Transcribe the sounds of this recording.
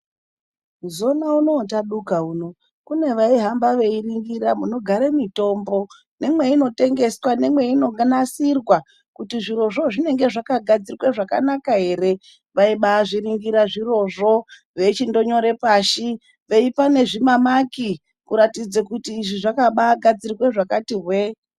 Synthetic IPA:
zo̞nauno̞ːtaɗukauːno̞ | kune̞ʋaiɦambaʋe̞iriŋɡiɾamuno̞ɡʱaɾemito̞mbo̞ | ne̞mwe̞ino̞te̞ŋɡe̞swane̞mwe̞ino̞ɡnasirwa | kutiʐiɾo̞ʐo̞ʐine̞ŋɡe̞ʐakaɡʱad͡zirweʐaka̰nakaɦe̞ɾe̞ | ʋaiɓaːʐiɾiŋɡiɾaʐiro̞ʐo̞ | ʋe̞t͡ʃindo̞ɲo̞ɾe̞paːʃi | ʋe̞ipane̞ʐimamaki | kuɾatid͡zekutiːʐiʐakaɓaːɡʱad͡zirweʐakatirwe

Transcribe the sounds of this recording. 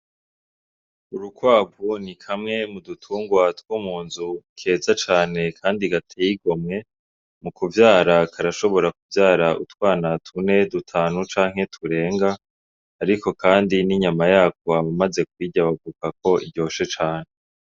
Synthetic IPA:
uɾukwaːbunikʰamŋe̞mudutʰuːŋɡwatwumuːnzukʰe̞ːzat͡ʃaːne̞kʰaːndiɡatʰejiɡo̞mŋe̞ | mukuvjaːɾakʰaɾaʃo̞βo̞ɾakuvjaːɾaʔutwaːnatʰune̞dutʰaːnut͡ʃaːŋɦe̞tʰuɾe̞ːŋɡaː | ɾiko̞kʰaːndiniɲamajaːkwoaβamaze̞k̚wiːɟaβavukak̚o̞ʔḭɟjo̞ːʃe̞t͡ʃaːne̞

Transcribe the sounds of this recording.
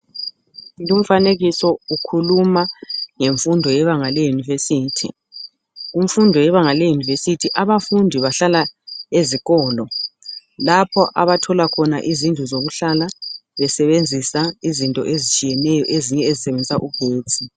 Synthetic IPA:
jum̩faneɣisɔukʰulumaŋeɱfundʱɔjɛβaŋalejunivesiːtʰḭ | uɱfundʱɔjɛβaŋalejunivesitʰiʔaβafundʱiβaɬalaeziɣɔːlɔ | lapʰɔʔaβatʰɔlakʰɔna̰ʔizind͡ɮʱuzoɣuɬalaβɛsɛβend͡zʱisaizintʼɔ̰ʔezit͡ʃʼijɛnɛjɔʔeziɲɛezisɛβend͡zʱisaʔuɡ̥ʱeːd̥d͡zʱi

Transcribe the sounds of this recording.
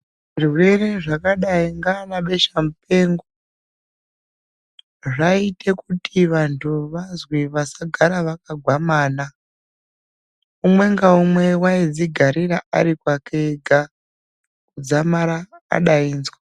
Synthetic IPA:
ʐiruwe̞re̞ʐakaɗaiŋɡanaɓe̞ʃamupe̞ŋɡo | ʐaite̞kutʰiʋantʰuʋazwiʋasaɡʱaɾaʋak̚aɡʱwamaːna | umwe̞ŋɡaumwe̞waid͡ziɡʱaɾiɾaa̰ɾikwakeɡʱa | kud͡zamaɾa̰ːɗaiːnzwa

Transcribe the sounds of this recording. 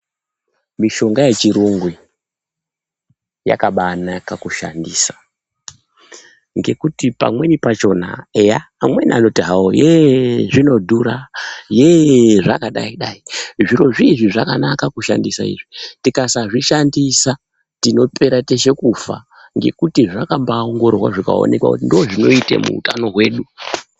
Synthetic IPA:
miʃo̞ŋɡaje̞t͡ʃiɾoŋɡwe̞ | ja̰kaɓaːnakakuʃa̰ndiːsḁ | ŋɡe̞kutipa̰mwe̞nipat͡ʃo̞na̰ejaːmwe̞niano̞tiɦawo̰jeʐino̞dʱuɾajeʐa̰kaɗa̰iɗaiʐiɾo̞ʐiʐiʐakanakakuʃa̰ndisaḭʐitikasaʐiʃandisa | tino̞pe̞ɾate̞ʃe̞kufa̰ | ŋɡe̞̰kutiʐakambaoŋɡo̞rrwa̰ʐika̰o̞̰ne̞kwa̰kutindooʐino̞itḛmṵuta̰no̞ɦwe̞ːɗu

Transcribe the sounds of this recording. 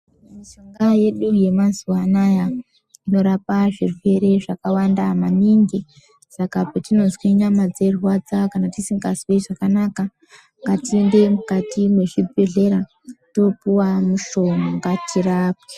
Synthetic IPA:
maʃoŋɡaje̞ɗuje̞mazuwanaja | ino̞ɾapaʐirwe̞ɾe̞ʐakawandamaniŋɡi | sakapatino̞nzwiɲamad͡ze̞rwad͡zakanatisiŋɡaswiʐakanaka | ŋɡatiende̞mukatimwe̞ʐibʱe̞ɮe̞ɾa | to̞puwamuʃo̞maŋɡatiraːp̚a

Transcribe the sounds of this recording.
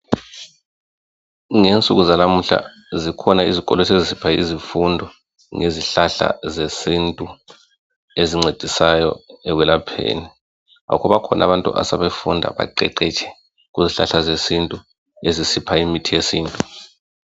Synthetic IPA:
ŋent͡sʼuɣuzanam̩ɬa̰ | zikʰɔnaizikʼɔlotʰezisipʰaḭzifundʱɔ | ŋʔeziɬaɬa̰zesintʼu | eziŋ͡ǀed̥ʱisajɔ̰ɛɣwɛlapʰḛːni | a̰kʰɔβakʰɔnʔa̰βantʼṵʔa̰saβefundʱa̰βa̰ǃɛǃɛt͡ʃʰʼɛ̥ | ɣuziɬaɬazesintʼu | ezisipʰaimitʰijesiːntʼu

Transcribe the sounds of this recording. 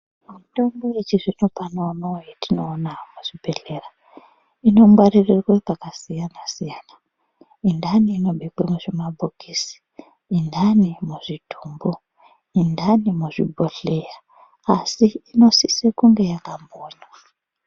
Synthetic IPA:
muto̞mbo̞et͡ʃiʐinopanoːnaojetino̞ːnamuʐ̥ibʱe̞ɬe̞ra | ino̞mwaririrwepakasijanasijana | indaniːno̞ɓeɡwemuʐimabʱokʰisi̥ | indanimuʐidʱuːmbo | indanimuʐibʱoɬejaː | siːno̞sisekuŋɡe̞jakamboːɲa

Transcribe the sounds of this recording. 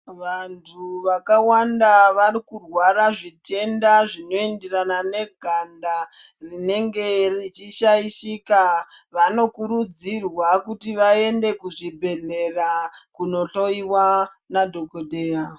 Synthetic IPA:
ʋantʰuʋakawandaʋarikurwaɾaʐite̞ndaʐino̞enderanane̞ɡʱandarine̞ŋɡe̞rit͡ʃiʃaiʃikaʋano̞kuɾud͡zirwakutiʋae̞nde̞kuʐibʱe̞ɮe̞rakuno̞ɬo̞iwa | nadʱo̞kodeːja

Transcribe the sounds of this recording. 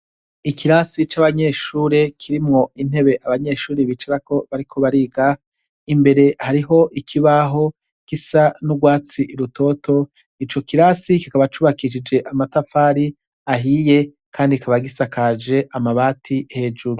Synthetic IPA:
ikʰiɾasit͡ʃaβaɲe̞ʃuːɾe̞kʰiɾimŋo̞in̥he̞βe̞ʔaβaɲe̞ʃuːɾiβit͡ʃaɾako̞βaɾikʰo̞βaɾiːɡa | imbe̞ɾe̞haɾiɦo̞ʔikʰiβaɦo̞ | kisanuɡwaːt͡siʔiɾuto̞ːto̞ | nit͡ʃo̞kiɾasikikaβat͡ʃuβakiʃ̬id͡ʒe̞ʔamatafaːɾi | aɦiːje̞ | kʰaːndikaβaɡisakad͡ʒe̞ʔamaβaːtʰihe̞d͡ʒuɾu

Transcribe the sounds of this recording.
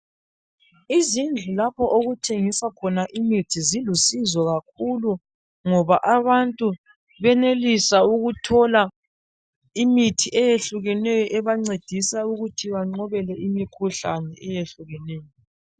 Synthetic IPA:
izind͡ɮʱulapʰɔʔoɣutʰeŋisakʰɔnaʔimitʰizilusizwɔɣak̚ʰulu | ŋɔβaʔaβantʼu | βɛnelisauɣutʰɔla | imitʰiʔɛjeɬuɣɛnɛjɔʔɛβaŋ͡ǀed̥ʱisauɣutʰiβaŋ͡ǀɔβɛlɛʔimikʰuɬa̰nɛʔɛjeɬuɣɛnɛːjɔ

